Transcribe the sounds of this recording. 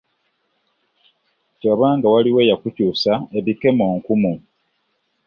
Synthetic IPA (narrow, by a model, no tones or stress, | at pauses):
coβaːŋɡawaliwe̞ːjakucuːsaeβike̞mo̞ːŋkumu